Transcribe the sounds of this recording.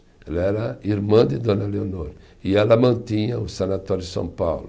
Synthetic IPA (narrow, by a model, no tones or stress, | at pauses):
ɛlɐɛɾɐiɾmɐ̃d̪ɪd̪õnɐleonoɾ | iɛlɐmɐ̃nt̪ĩɲɐʊsɐnat̪ɔɾjd̪ɪsɐ̰̃w̃pawlʊ